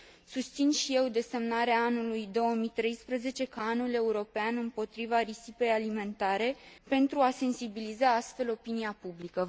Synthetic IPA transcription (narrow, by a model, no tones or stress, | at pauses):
sust̪sinʃije̞wd̪e̞se̞mnaɾeaanulujd̪o̞wəmit̪ɾe̞jspɾəze̞t͡ʃe̞kaanule̞uɾo̞peanɨmpo̞t̪ɾivaɾisipe̞jalime̞nt̪aɾe̞pe̞nt̪ɾuase̞nsibilizaast̪fe̞lo̞piniapublikə